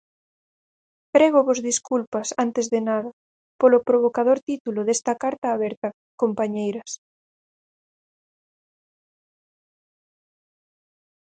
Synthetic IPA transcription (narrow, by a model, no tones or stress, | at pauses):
pɾɛɣoβozðiskulpɐsant̪ezðenaðɐ | polopɾoβokaðoɾt̪it̪ulʊðest̪ɐkaɾt̪aːβɛɾt̪ɐ | kompaɲejɾɐs